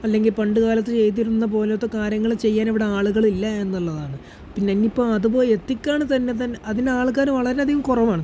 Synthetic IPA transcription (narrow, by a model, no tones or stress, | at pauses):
ɐlːe̞ŋɡilpɐɳɖɨɣaːlɐt̪ːɨt͡ɕe̞jt̪̬iɾunːɐp̬o̞ːleot̪ːokaːɾjɐŋːɐɭt͡ɕe̞jːaːniʋiɽe̞aːɭuɣɐɭilːɐe̞nːuɭːɐðaːɳɨ | pinːeɐnːipːo̞ːɐðupo̞ːjet̪ːikʲːaːɳɨt̪ɐnːe̞t̪ɐnːeɐðindeaːɭk̬aːɾnuʋɐɭɐɾe̞ɐd̪ʱiɣɐmkurɐʋaːɳɨ